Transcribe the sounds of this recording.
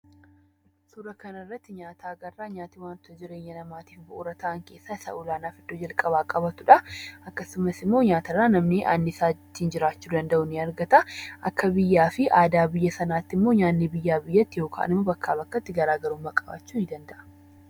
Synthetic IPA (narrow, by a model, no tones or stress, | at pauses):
sʊɾɐkɐnɐrːɐt̪ːɪɲaːt̪ʰaːɡɐrːaːɲaːt̪ɪwaːnt̪ɔd͡ʒɪɾe̞ːɲːɐnɐmaːt̪iːfbɐʔʊɾɐt̪ʰɐʔɐŋke̞ːsːasɐ̰ʔʊlaːnaːfɪd̪̥ːoːd͡ʒɐlkʼɐβaːkʼɐbɐt̪ʊᶑɐʔɐkːɐsʊmɐsɪmːo̞ːɲaːt̪ɐrːaːnɐmneːʔa̰nːɪsaːt̪ːɪɪnd͡ʒɪɾaːt͡ʃːuːd̪ɐnd̪ɐʔʊnɪɐɾɡɐt̪ɐʔɐkːɐbɪjːaːfɪʔaːd̪aːbɪjːɐsɐnaːt̪ːɪmːo̞ːɲaːnːebɪjːaːbɪjːɐt̪ːɪjo̞ːkʰa̰ːnɪmːoːbɐkːa̰ːbɐkːɐt̪ːɪɡɐɾaːɡɐɾuːmmːɐkʼɐba̰ːt͡ʃːuːnɪd̪ɐnd̪ɐʔɐ̥